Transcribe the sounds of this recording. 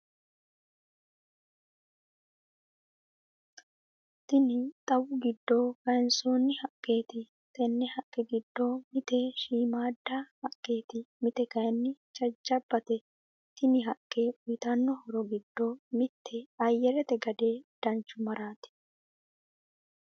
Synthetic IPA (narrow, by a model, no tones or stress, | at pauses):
t̪ɪnɪt̪ʼɐwʊɡɪd̪ːoːkɐjnsoːnːɪhɐkʼːe̞ːt̪ɪ | t̪ɛnːɛhɐkʼːɛɡɪd̪ːoːmɪt̪ɛʃiːmaːd̪ːahɐkʼːe̞ːt̪ɪmɪt̪ɛkɐjnːɪt͡ʃʼɐd͡ʒːɐbːɐt̪ɛ | t̪ɪnɪɦɐkʼːe̞ːʔʊjt̪ɐnːɔhɔɾɔɡɪd̪ːomɪt̪ːɛɐjːɛɾɛt̪ɛɡɐd̪e̞ːd̪̥ɐnt͡ʃːʊmɐɾaːt̪ɪ̥